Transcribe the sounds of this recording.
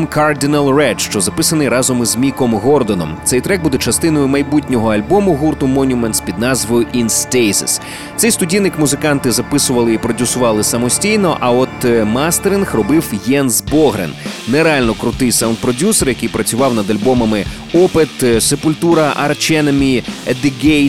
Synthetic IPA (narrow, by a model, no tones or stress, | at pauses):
mkʰard̪ʲinɐlˠrɛʃt͡ʃɔzɐpɪsɐnɪjɾɑzɔmizmʲikɔmɦɔrd̪ɔnɔ̰mt̪sɛjt̪ɾɛɡ̚bud̪ɛt͡ʃɐst̪ɪnɔjʊmɐjbutʲnʲɔɦɔɐlʲbɔmʊɦurt̪ʊmɔnʲʊmenspʲid̪nɑzʋɔjʊʔinst̪ɛjsɪ̰s | t̪sɛjst̪ʊdʲijnɪkmʊzɪkɑnt̪ɪzɐpɪsʊʋɐlˠɪipɾɔdʲusʊʋɑlˠɪsɐmɔsʲtʲijnɔʔɐɔt̪mast̪eɾʲinxrɔbɪwjɛnzbɔɦɾḛnneɾeɑlʲnɔkɾʊt̪ɪjsɐwnd̪̚pɾɔdʲusɔrjɐkɪjpɾɐt͡sʲʊʋɑwnɐd̪ɐlʲbɔmɐmɪ | ɔpɪt̪sepʊlʲt̪uɾɐʔɐ̰rt͡ʃɛnɐmʲiɛd̪ɪɡɛj